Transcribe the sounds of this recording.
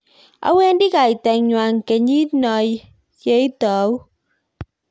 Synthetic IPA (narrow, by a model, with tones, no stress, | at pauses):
a̰˧˦wɛ˧ndi˦ka˨˩jt̪ɛ˨˩ŋɲwaː˨ŋke˨˦ɲi˦tnɔ˧j | je˨˦jt̪ɔ˨˦w